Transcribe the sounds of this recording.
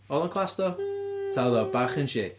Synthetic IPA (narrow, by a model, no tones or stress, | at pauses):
ɔlˠənkʰlˠastɔtʰaðɔbaχənʃeːt